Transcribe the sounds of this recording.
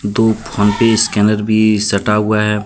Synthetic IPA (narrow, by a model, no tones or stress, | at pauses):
d̪opʰɔnpeskɛːnəɾbʱisɐʈaɦʊaɦɛː